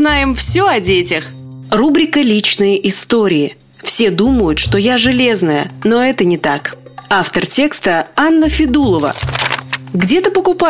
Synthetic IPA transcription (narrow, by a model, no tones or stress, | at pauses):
najɪmfsʲoɐdʲetʲɪx | rubɾʲɪkəlʲit͡ɕnɨjəʔɪst̪o̞ɾʲɪɪ | fsʲe̞d̪uməjʊt̪ʂt̪o̞jaʐɨlʲe̞znəjə̰no̞ɛt̪ənʲɪt̪akaft̪ərtʲe̞kst̪əanːəfʲɪd̪ulˠəvə̰ | ɡdʲe̞t̪əpəkʊpa